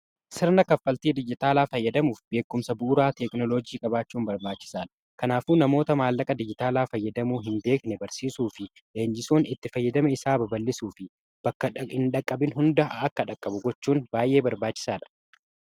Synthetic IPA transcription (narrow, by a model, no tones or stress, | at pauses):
sɪɾnɐkɐfːɐlt̪iːd̪ɪd͡ʒɪt̪aːlaːfɐjːɐd̪ɐmuːfbe̞ːkːʊmsɐbuːɾaːt̪ɛknɔlod͡ʒiːkʼɐbaːt͡ʃːuːmbɐɾbaːt͡ʃːɪ̥saːᶑɐ̥ | kɐnaːfuːnɐmo̞ːt̪ɐmaːlːɐkʼɐd̪ɪd͡ʒɪt̪aːlaːfɐjːɐd̪ɐmuːɦɪnbe̞ːknɛbɐɾsiːsuːfɪ | ʔeːɲd͡ʒɪsoːnɪt̪ːɪfɐjːɐd̪ɐmɐɪsaːbɐbɐlːɪsuːfɪ | b̥ɐkːɐɪnᶑɐkʼːɐbɪnɦʊnd̪ɐɐkːɐᶑɐkʼːɐbʊɡɔt͡ʃːuːnbaːjʔe̞ːbɐɾbaːt͡ʃːɪ̥saːᶑɐ̥